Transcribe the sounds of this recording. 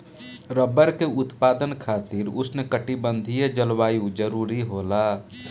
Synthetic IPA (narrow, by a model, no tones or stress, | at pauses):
ɾəbəɾkeʊt̪paːd̪ənkʰaːt̪iɾʊsnekəʈibə̃nd̪ʱijed͡ʒəlwaːjũd͡ʒəɾuɾiɦola